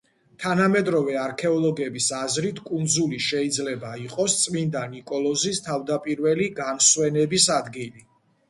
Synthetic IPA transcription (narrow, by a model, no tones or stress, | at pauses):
t̪ʰanamɛd̪ɾɔvɛaɾkʰɛɔlˠɔɡɛbisazɾit̪ʰkʼund̪zuliʃɛid̪zlɛbaiqʼɔst̪sʼmind̪anikʼɔlˠɔzist̪ʰavd̪apʼiɾvɛliɡanswɛnɛbisad̪ɡili